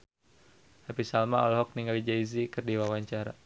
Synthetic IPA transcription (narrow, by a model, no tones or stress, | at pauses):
hapisalmaɔlɦɔk̚niŋɡalid͡ʒaizikɨrdiwawaɲt͡ʃaɾa̰